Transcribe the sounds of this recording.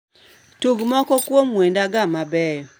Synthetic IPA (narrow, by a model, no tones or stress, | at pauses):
tuɡmɔkɔkwomwendaɡamabɛjɔ